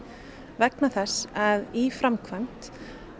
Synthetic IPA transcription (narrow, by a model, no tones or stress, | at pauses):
vɛknaθɛsːaðifɾamkʰvan̥t̪